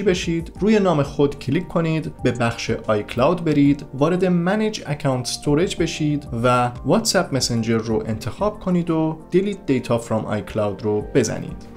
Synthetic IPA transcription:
ibeʃiːd̪̥ruːje̞nɒːme̞xo̞d̪cʰlikʰːo̞niːd̪be̞bæxʃeʔɒːjkʰlɒwd̪be̞ɾiːd̪vɒːɾe̞d̪e̞mæned͡ʒæcʰæwnt̪st̪ʰoɾe̞d͡ʒbe̞ʃiːd̪vævɒːt̪sæp̚mesend͡ʒeɾːoʔe̞nt̪ʰe̞xɒːb̥kʰo̞niːd̪od̪̥eliːd̪̚d̪ejt̪ʰɒːfɾɒːmɒ̰ːjkʰlɒwd̪ɾob̥e̞zæ̰nḭːd̪̥

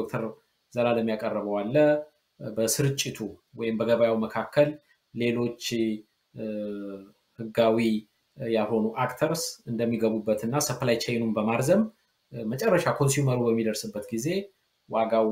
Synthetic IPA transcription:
ok̚t̪ʰəɾ | zəlaləmjakʼərːəβəwalːə | bəsɨɾɨt͡ʃʼːɪt̪ʰuwɔjɪmbəɡəβajawməkʰakʰːəlː | e̞lo̞t͡ʃː | hɨɡawi | jaho̞nuʔakt̪ʰəɾsɨnd̪əmːiɡəβubːət̪ɨnːasəfəlajt͡ʃʰɛjnumbəmaɾzəm | mət͡ʃʼɛrːəʃakʰonsuməɾubəmːid̪əɾsɨbːət̪ɡize̞ | waɡaw

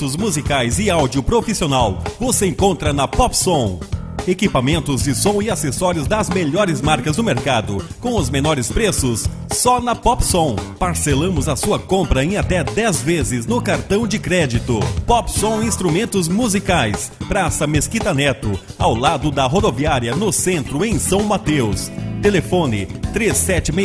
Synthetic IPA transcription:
t̪ʊzmuzikajzɪawd͡ʒiʊpɾofisionawvoseẽkõnt̪ɾɐnɐpɔpsõw̃ | ekipamẽnt̪ʊzd͡ʒɪsõw̃ɪasesɔɾjʊzd̪ɐzmeʎɔɾɪzmaɾkɐzd̪ʊmeɾkad̪ʊkõw̃ʊzmenɔɾɪspɾesʊsː | ɔnɐpɔpsõw̃paɾselɐ̃mʊzɐsuɐkõpɾɐẽat̪ɛd̪ɛzvezɪznʊkaɾt̪ɐ̃w̃d͡ʒɪkɾɛd͡ʒit̪ʊpɔpsõw̃ĩst̪ɾumẽnt̪ʊzmuzikajs | pɾasɐmeskit̪ɐnɛt̪ʊ | a̰wlad̪ʊd̪ɐɦod̪oviaɾiɐnʊsẽnt̪ɾʊẽj̃sɐ̃w̃mat̪ewst̪elefõnɪt̪ɾesːɛt͡ʃɪm

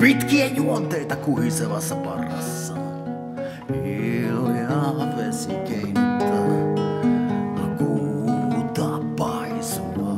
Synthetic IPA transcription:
pit̪kiæjuont̪eit̪ɑkuhiseʋɑ̰sːɑpɑrɑsːɑ | hiljɑʋesikeint̪ːɑ | ɑkuːt̪ɑ | pɑ | isuɑ

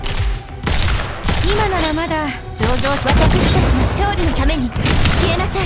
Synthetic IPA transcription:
imanaɾamad̪a | d͡ʑo̞ːd͡ʑo̞ːɕiakokɯ̟ɕi̥t̪at͡ɕinoɕo̞ːɾʲino̞t̪ame̞ɲ̟ikɯkʲie̞nasai

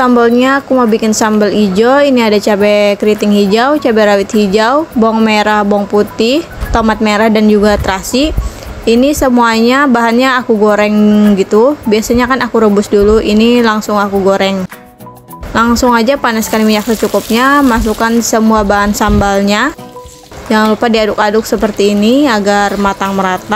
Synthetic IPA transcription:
sambalɲaːkumabikɪnsambalid͡ʒoiniadat͡ʃabɛkɾit̪ɪŋhid͡ʒawt͡ʃabɛɾawɪt̪̚hid͡ʒawbɔŋmeɾahbɔŋput̪ɪh | t̪omat̪̚meɾahdand͡ʒuɡat̪ɾasiː | nisəmuaɲabaɦanɲaːkuɡoɾɛŋɡit̪ubiasaɲakanakuɾəbʊsduluinilaŋsʊŋakuɡoɾɛŋ | laŋsʊŋad͡ʒapanaskalimiɲak̚sət͡ʃukʊp̚ɲamas̬ukansəmuabaɦansambalɲa | jaŋlupadiadʊkadʊksəpərt̪iːniaɡarmat̪aŋməɾat̪a

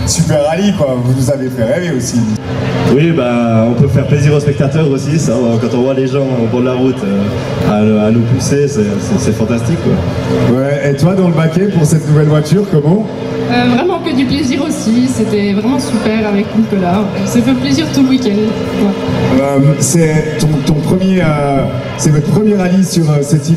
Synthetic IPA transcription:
sypɛʁalikwavunuzavefɛʁeveosi | wibaɔ̃pøfɛʁpleziʁospɛk̚t̪at̪œʁosisakɑ̃t̪ɔ̃vwad̪eʒɑ̃ɔ̃pɑ̃d̪laʁut̪ʰø | aanopusesɛsɛsɛfɑ̃t̪ast̪ikːwa̰ | wɛet̪yvad̪ɑ̃ləbakʲɛpuʁsɛt̪nuvɛlvwat̪yːʁkɔmɑ̃ | øvʁɛmɑ̃kəd̪ypleziʁosiset̪ɛvʁɛmɑ̃sypɛʁavɛk̪ikɔlasəfɛpleziʁt̪uləwikʲɛ̃nd̪ | vaømsɛt̪ɔ̃t̪ɔ̃pχəmjeø | sɛvɔt̪χəpχəmjɛʁavisyʁøsɛt̪i

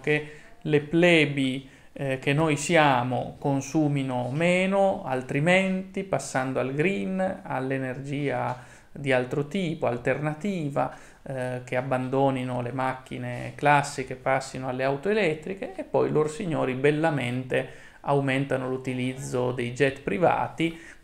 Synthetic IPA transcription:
keleplɛːbi | k̟enːojsjaːmo̰konsuːminomeːnoa̰lt̪ɾimɛnt̪ipasːand̪oalɡɾina̰lːenerd͡ʒiːa | d̪ialt̪ɾot̪iːpoalt̪ernat̪iːva̰ | keabːand̪oːninolemakːḭnḛklasːikepːasːinoalːeawt̪oelɛt̪ːɾikeepːɔjloɾsiɲːoːɾibelːamɛnt̪e | awmɛnt̪anolut̪ilid̪zːod̪ejd͡ʒɛt̪pɾiva̰ːt̪i

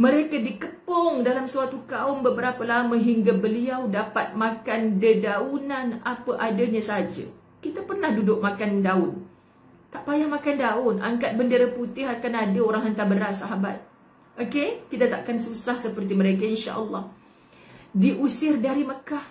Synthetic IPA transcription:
mə̃ɾekadikəpɔŋdalamsəat̪ukaʊmbəbəɾapəlamə̃ɦiŋɡabəliawdapat̪̚mãkandədaunanapəʔadaɲasaɦad͡ʒə̰ | kit̪apərnahdudʊʔ̚makandaʊn | t̪aʔpajahmakandaʊnʔa̰ŋkat̪̚bəndeɾaput̪ɪɦakanadəoɾaŋɦənt̪abəɾat̪saɦaba̰t̪̚ | okekit̪at̪aʔkansusahsəpərt̪̬iməɾekainʃa̰ʔəlːɑh | diʔusɪrdaɾiməkah

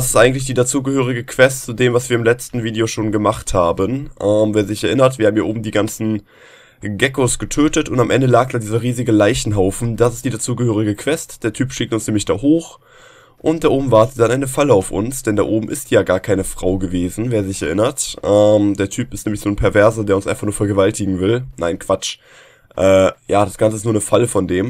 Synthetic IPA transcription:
das̬ɪstʔaɪɡŋ̩tlɪç̬d̥iːdat͡suːɡəhøːʁ̞ɪɡəkʰv̥ɛstt͡sudeːmvasv̥iːɐɪmlɛt͡stn̩viːdeoʃoːnɡəmaχthaːbənʔɛːmveːɐzɪçɛɐʔɪnɐtv̥iːhabm̩jiːɐoːbm̩diːɡant͡sn̩ | ɡɛkosɡ̥ətʰøːtətʊntamʔɛndəlaːk̚d̥aːdiːzɐʁiːzɪɡəlaɪçn̩ɦaʊfn̩dasɪstd̥iːdat͡suːɡəhøːʁɪɡəkʰv̥ɛstd̥eːɐtʰyːpʃɪktʊnsnɛːmlɪçd̥a̰ːhoːχ | ʔʊntd̥aːʔoːbm̩vaɐtətd̥anʔaɪnəfaləaʊfʊ̰nsd̥ɛnda̰ːʔoːbm̩ʔɪstjaːɡaːɐkʰaɪnəfʁ̥aʊɡəveːzn̩veːɐzɪçɛɐʔɪnɐtʔɛmdeːɐtʰyːpɪstnɛːmlɪçnoːnpʰɛɐvɛɐzɐdeːɐʊnsʔaɪfaχnuɐfɛɐɡəvaltɪɡŋ̩vɪlnaɪnkv̥at͡ʃ | ʔɛːjaːdasɡ̥ant͡səɪstnuɐnəfaləfɔndeːm

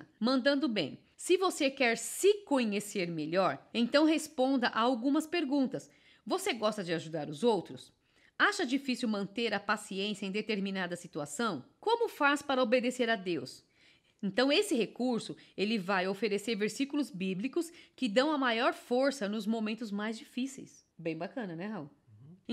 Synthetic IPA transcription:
mɐ̃nd̪ɐ̃nd̪ʊbḛ̃j̃ | sɪvosekɛɾsɪkõɲeseɾmeʎɔɾẽt̪ɐ̃w̃ɦespõnd̪ɐʔaawɡũmɐspeɾɡũnt̪ɐs | voseɡɔst̪ɐd͡ʒɪaʒud̪aɾʊzowt̪ɾʊs | aʃɐd͡ʒifisiuwmɐ̃nt̪eɾɐpasiẽsiɐẽj̃d̪et̪eɾminad̪ɐsit̪uasɐ̃w̃kõmʊfaspaɾɐobed̪eseɾɐd̪ews | ẽt̪ɐ̃w̃esɪɦekuɾsʊelɪvajofeɾeseɾveɾsikulʊzbiblikʊskɪd̪ɐ̃w̃ɐmajɔɾfoɾsɐnʊzmõmẽnt̪ʊzmajzd͡ʒifisḛjsbẽj̃bakɐ̃nɐnɛɦaw̃

